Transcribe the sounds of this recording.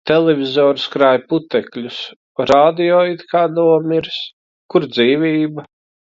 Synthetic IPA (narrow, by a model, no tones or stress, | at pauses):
t̪elˠɛvʲizoːɾskɾaːjput̪ɛklʲus | ɾaːd̪ijɔːit̪kʰaːnuɔmiɾs | kuɾd̪ziːviːbɐ